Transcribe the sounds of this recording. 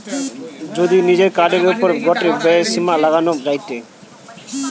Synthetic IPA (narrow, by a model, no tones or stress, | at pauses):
d͡ʑod̪inid͡ʑeɾkaɖeɾupoɾɡɔʈebɛesimalaɡanod͡ʑajt̪e